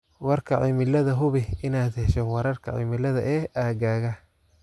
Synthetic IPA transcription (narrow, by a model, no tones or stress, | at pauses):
wɐrkʰɐʕiːmɪlɐðɐɦʊβɪɪnaːd̪hɛʃɐwɑɾɐrkʰɐ̰ʕḭmɪlɐðɐʔɛːʔaːɡaːɣɐ